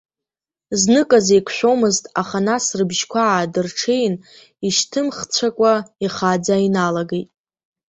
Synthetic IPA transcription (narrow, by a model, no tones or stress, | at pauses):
znɨkʼazejkʷʰʃʷᶣo̞mɨztʼaχanasrɨbʒkʷʰaadɨrʈ͡ʂʰe̞jn | iʃtʰɨmχt͡sʷʰakʷʼaiχad͡zainalaɡejtʼ